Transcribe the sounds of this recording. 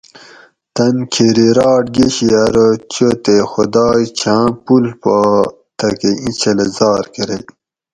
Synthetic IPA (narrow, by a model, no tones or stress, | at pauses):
t̪ɐnkʰeɾiɾɑːʈ̚ɡeɕiɐɾot͡ɕot̪exud̪ɑːjt͡ɕʰãːpulpa | t̪ɐkeĩt͡ɕʰelezɑːɾkeɾej